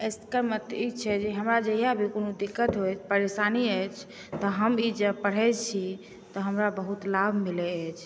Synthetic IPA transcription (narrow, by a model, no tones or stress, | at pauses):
eskəɾmət̪it͡ʃʰɛd͡ʒeɦəmɾad͡ʒəɦijabʱikonod̪ikːət̪ɦojt͡ʃʰpəɾesaniəjt͡ʃʰ | t̪ɔɦəmid͡ʒəpəɽ̤ɛt͡ʃʰi | t̪ɔɦəmɾabəɦut̪labʱmilɛət͡ʃʰ